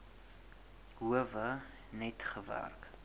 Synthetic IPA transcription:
ɦuəvə | nɛtχəvæ̰rk

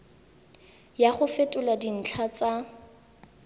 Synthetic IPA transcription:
jaχʊfetʼʊladin̩t͡ɬʰat͡sʼa

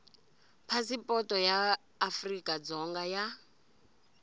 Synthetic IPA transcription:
pʰasipʼɔtʼɔjaː | frikʼad͡zɔŋɡaja

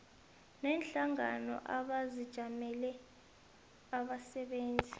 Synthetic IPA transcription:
nɛːnɬaŋanɔ̰ʔaɓazid̥ʒ̥ʱamɛlɛ | aɓasɛɓeːnd͡zʱi

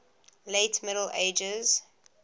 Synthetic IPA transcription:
leːtmɪɾəl̩ʔeɪd͡ʒəz̥

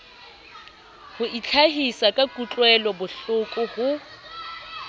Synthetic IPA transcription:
hʊʔit͡ɬʰaɦisakʼakʼut͡ɬʼwɛlɔbʊɬʊkʼʊhʊ

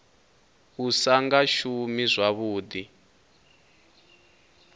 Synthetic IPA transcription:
βusaŋɡaʃumizʷaβuːd̪i

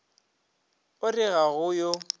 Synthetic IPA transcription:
ʊrɪɣaɣʊjo

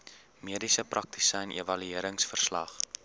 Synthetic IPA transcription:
miədisəprɐk̚ti̥sənʔevɐlyiəɾəŋsfərslɐ̰χ

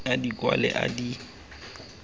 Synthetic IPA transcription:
adikʼwa̰lɛʔa̰di

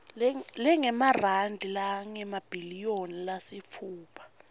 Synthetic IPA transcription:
llɛŋɛmarandʱilaŋɛmab̥ʱilijonilasifʰuːpʰḁ

